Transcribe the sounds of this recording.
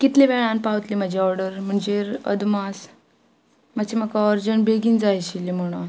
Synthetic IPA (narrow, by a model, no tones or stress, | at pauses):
kit̪leʋɛɭãnpaʋət̪liːməd͡ʑʱiɔɾɖəɾm̤əɳd͡ʑeɾə̰d̪mas | mət͡ɕʰeməkaɔɾd͡zəɳbeɡiːnd͡zajɕilim̤əɽ̃a